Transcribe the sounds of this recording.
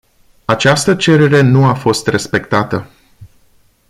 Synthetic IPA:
at͡ʃast̪ət͡ʃe̞ɾe̞ɾe̞nuafo̞st̪re̞spe̞kt̪at̪ə

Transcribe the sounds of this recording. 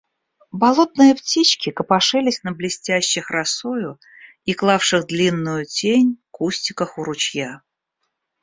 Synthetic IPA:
bɐlˠo̞t̪̚nɨjəptʲit͡ɕkʲɪkəpɐʂɨlʲɪsʲnəblʲɪsʲtʲæɕːɪxrɐsojʊ | iklˠafʂɨxd̪lʲinːʊjʊtʲenʲkusʲtʲɪkəxʊɾʊt͡ɕja

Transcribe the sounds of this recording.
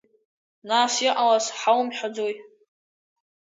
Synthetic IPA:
nasiʔalasħawmħʷᶣad͡zoj

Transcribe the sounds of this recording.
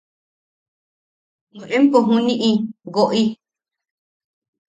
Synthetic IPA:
nũʔẽmpoɦũnĩʔĩɡoʔi

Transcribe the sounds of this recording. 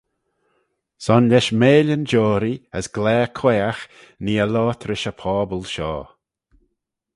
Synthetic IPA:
sɔnlʲɛʃmeːlʲənd͡ʒɔːɾiəsɡ̥lɛːkʰwɛːax | niːəlɔːt̪ʰɾɪʃəpʰɔːbəlʃɔ̰ː

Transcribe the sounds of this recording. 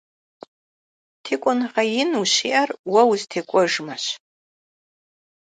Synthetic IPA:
tʰikʷʼʊnʁajinuʃiʔarwawztʰikʷʼʊʐmaʃ

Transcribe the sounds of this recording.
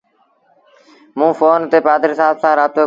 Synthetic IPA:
mũːfoːnt̪eːpaːd̪əɾsaːbsãːɾaːt̪oː

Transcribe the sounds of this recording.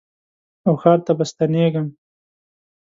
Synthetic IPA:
awxɑːɾt̪abast̪aneɡəm

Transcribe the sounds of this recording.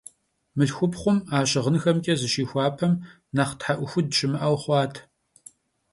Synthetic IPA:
mɨɬxʷʊpχʷʊmaːɕʼɪʁənxɐmkʲʼɐzɨʃiːxʷɑːpʰɐm | naχtħaʔʷʊxʷʊdɕʼɪmɨʔɐwχʷɑːtʰ

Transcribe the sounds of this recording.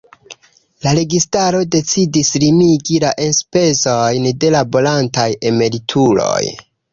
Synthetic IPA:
laɾe̞ɡistaɾo̞de̞t͡sidislimiɡilaʔenspe̞zojnde̞labo̞lantaje̞me̞ɾitʰulo̞̰j

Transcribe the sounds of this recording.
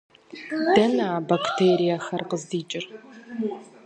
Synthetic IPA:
d̥ɐnaaːbaktʰeːɾijɐxɐrqəzdiːt͡ʃʼɪr

